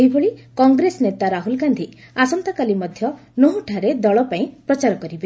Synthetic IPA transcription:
ibʱoɭikɔŋɡɾesɔnet̪aɾaɦulɡand̪ʱi | asɔnt̪akalimɔd̪ʱjɔnoɦuʈʰaɾed̪ɔɭɔpaĩpɾɔt͡ʃaɾɔkɔɾibe

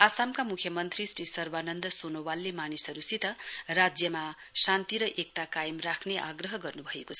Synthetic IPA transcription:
asamkamukʰjʌmʌnt̪risrisʌrbanʌnd̪ʌsonowalːemanisʌɾusit̪ʌrad͡zjʌma | sant̪iɾʌʔek̚t̪akajʌmrakʰneʔaɡrʌɦʌɡʌrnubʱʌekot͡sʰʌ

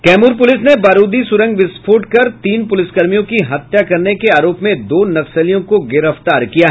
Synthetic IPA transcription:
kɛːmuːɾp̬ʊlɪsnebaːɾuːd̪isʊɾə̃ŋɡʋɪspʰoːʈkɐɾt̪iːnpʊlɪskɐɾmijõkiɦɐt̪jakɐɾnekeaːɾoːpmẽd̪oːnɐsəlijõkoɡɪɾəft̪aːɾkijaɦ

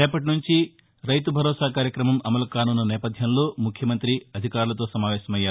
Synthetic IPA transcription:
ɛːpɐʈ̬inuɲt͡ʃi | ɾɐjt̪ubʱɐɾɔːsaːkaːɾjɐkɾɐmɐmɐmɐlɐkaːnuːnɐnɛːpɐd̪ʱjɐmlo̞ːmukʰjɐmɐnt̪ɾiɐd̪ʱikaːɾulɐt̪o̞ːsɐmaːʋɛːʃɐmɐjːaːɾu

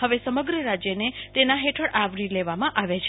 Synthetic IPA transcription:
həʋesəməɡɾəɾad͡ʒjənet̪enaɦeʈʰəɽaʋɾileʋamãʔaʋet͡ʃʰ

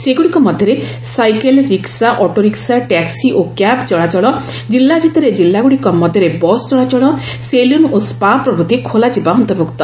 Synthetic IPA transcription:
seɡuɽikɔmɔd̪ʱjɔɾe | sajkelɾiksaʔɔʈoɾiksaʈɛksiʔokapt͡ʃɔɭat͡ʃɔɭɔ | d͡ʒilːabʱit̪ɔɾed͡ʒilːaɡuɽikɔmɔd̪ʱjɔɾebɔst͡ʃɔɭat͡ʃɔɭɔ | selunospapɾɔbut̪ikʰolad͡ʒibaɔnt̪ɔbukt̪ɔ

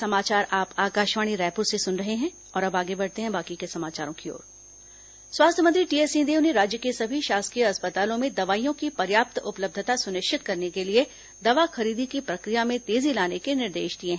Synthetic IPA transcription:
sɐmaːt͡ʃaːɾaːpaːkaːʃʋaːɽ̃iɾɛːpuːɾsesʊnɾɐɦeɦɛ̃ | ɔːɾɐbaːɡebɐɽ̤t̪eɦɛ̃baːkikesɐmaːt͡ʃaːɾõkio̰ːɾ | swaːst̪ʰəmɐ̃t̪ɾiʈiːeːsĩːd̪eːʊneɾaːd͡ʒjəkesɐbʱiʃaːskijəɐspət̪aːlõmẽd̪ɐʋaːijõkipɐɾjaːp̚t̪ʊpləb̚d̪ʱət̪asʊnɪʃʃɪt̪kɐɾnekelie | d̪ɐʋaxɐɾiːd̪ikipɾɐkɾijamẽt̪eːzilaːnekenɪɾd̪ḛːʃd̪iẽɦɛ̃ː

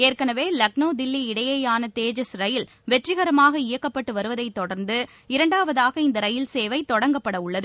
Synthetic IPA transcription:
eːrkɐnɐʋeːlɐk̚noːd̪ɪlːiɪɽɐjɐjaːnɐt̪eːd͡ʒɐsɾɐjɪl | ʋɛʈrɪɣɐɾɐmaːɣɐɪjɐkːɐpːɐʈːɯʋɐɾɯʋɐðɐɪt̪ːɔɽɐɾnd̪ɯ | ɪɾɐɳɖaːʋɐðaːɣɐɪnd̪ɐɾɐjɪlseːʋɐɪt̪ːɔɽɐŋɡɐpːɐɽɐʊɭːɐðɯ

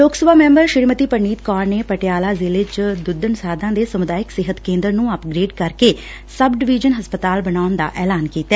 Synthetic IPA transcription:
loːksəbaːmɛ̃ːmbəɾʃɪɾmət̪iːpəɾɳiːt̪kaːɾneːpəʈɪjaːlaːzɪlɪt͡ʃd̪ʊd̪ənsaːd̪ãːd̪eːsəmʊd̪aːɪksɪɦət̪kẽːnd̪əɾnũːəpɡɾeːɖkəɾkeː | səbɖɪʋiːd͡ʒənɦəspət̪aːlbənaːʊnd̪a̰ːʔɛːlaːnkiːt̪ːaɛː

